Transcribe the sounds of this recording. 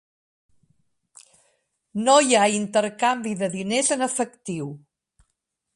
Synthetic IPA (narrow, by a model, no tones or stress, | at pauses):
nojaint̪əɾkambiðəðinezənəfəkt̪iw